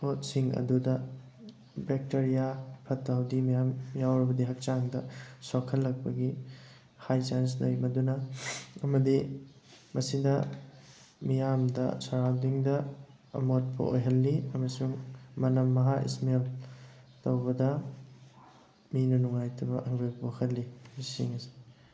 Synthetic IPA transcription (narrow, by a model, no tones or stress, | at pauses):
pot̚siŋɐ̰dudɐ | bek̚teɾijapʰɐtːawdimijamjawɾɐbɐdiɦɐk̚t͡ʃaŋdɐsokʰɐlːɐk̚pɐɡi | hajsansnojmɐdunɐɐmɐdi | mɐsidɐ | mijamdɐ̰sɐɾawdiŋdɐ | ɐ̰mot̚pʰɐ̰ʔo̰jɦɐlːiɐmɐsuŋmɐnɐmːɐɦaʔḭsmel | tɐwbɐdɐ | minɐnuŋajtʰɐbɐʔɐŋɡojpokʰɐlːimisḭŋɐsi̥